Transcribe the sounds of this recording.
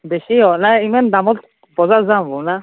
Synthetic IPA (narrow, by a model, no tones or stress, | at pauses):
bɛʃiɦɔʔnaimandamɔt̚ | bɔzazambɔna